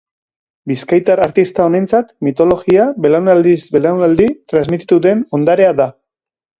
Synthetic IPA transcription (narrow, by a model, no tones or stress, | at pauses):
biskajt̪aɾaɾt̪ist̪ao̞nent͡sat̪mit̪o̞lo̞ɣiabe̞lawnald̪isbe̞lawnald̪it̪ɾazmit̪i̥t̪uðe̞no̞nd̪aɾe̞aða